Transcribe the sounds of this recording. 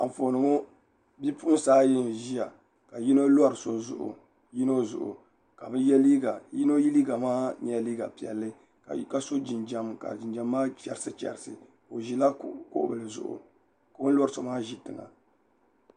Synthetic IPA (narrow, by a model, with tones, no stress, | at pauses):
a̰˨ɱ̩˨fo˨nɨ˨ŋo˦ | bi˦pu˦ʔsaː˦ji˦n˨ʒi˦ja˨ | ka˨ji˦no˦la˦ɾɨ˨so˨zʊ̰˨ʔʊ̰˨ | ji˦no˦zʊ̰˨ʔʊ̰˨ | ka˨bɨ˦jɛ˦li˦ɡa˨ji˦no˦ji˦li˦ɡa˨maː˦ɲ˦ɛ˨liː˦ɡa̰˨pi˨ɛ˨lːɨ˦˨ | ka˦so˦d͡ʒi˨nd͡ʒa˦mka̰˨d͡ʒi˨nd͡ʒa˨mːaː˦t͡ʃɛ̰˨ɾɨ˦sɨ˦t͡ʃɛ̰˨ɾɨ˨sɨ̰˨ | o˨ʒi˦la˦ko̰˦ʔbɨ˨lɨ˨zʊ̰˨ʔʊ̰˨ | ka˦bɨ˦la˦ɾɨ˨so˨maː˦ʒi˦tɨ˨ŋa̰˨